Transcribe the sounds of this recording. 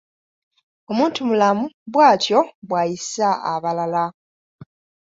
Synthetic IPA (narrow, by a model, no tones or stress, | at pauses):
o̞muːntumulamuβwaːtjo̞βwaːjisaʔaβalala